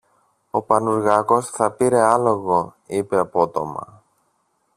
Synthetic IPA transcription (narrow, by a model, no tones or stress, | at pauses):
o̞pɐnuɾɣɐko̞sθɐpiɾe̞ɐlo̞ɣo̞ipe̞ɐpot̪o̞mɐ̰